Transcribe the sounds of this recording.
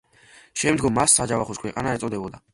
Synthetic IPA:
ʃɛmd̪ɡɔmːasːad͡ʒavaχɔskʰwɛqʼanaɛt̪ʼɔd̪ɛbɔd̪a

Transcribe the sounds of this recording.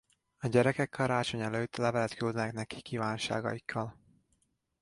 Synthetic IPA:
ɒɟɛɾɛkɛkːɒɾaːt͡ʃo̞ɲɛløːt̪ːlɛvɛlɛt̪kyld̪nɛkn̪ɛki̥kːivaːnʃa̰ːɡɒ̰jikʰːɒl

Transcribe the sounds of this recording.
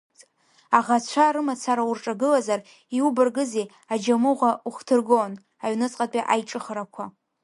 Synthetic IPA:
aʁat͡ɕʷʰaɾɨmat͡sʰaɾaurʈ͡ʂʼaɡɨlazar | iubɨrɡɨze | ad͡ʒamɨʁʷauχtʰɨrɡon | aɥnɨt͡sʼqʼapʼiʔajʈ͡ʂʼɨχaɾakʷʰa

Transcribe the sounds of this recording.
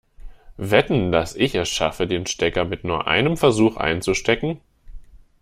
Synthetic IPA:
vɛtn̩dasɪçɛɐsʃafədeːnʃtɛkɐmɪtnuːɐʔa̰ɪnəmfɛɐzuːxʔa̰ɪnt͡suʃtɛkŋ̩

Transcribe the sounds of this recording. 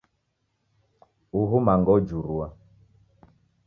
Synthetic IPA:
uɦumaŋɡɔd͡ʒuɾua

